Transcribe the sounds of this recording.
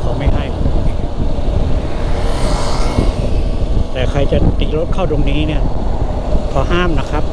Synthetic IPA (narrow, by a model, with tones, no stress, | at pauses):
kʰa˨˦˩wma˥˩jɦa˥˩ji˧˩˧ | t̪ɛː˨˩kʰɾa˧jt͡ɕa˨˩t̪iː˨˩lo˦˥t̪̚kʰa˥˩wdo˧ŋniː˦˥ni˥˩ɐ | pʰɔː˨˦ɦaː˥˩mna˦˥kʰɾa˦˥p̚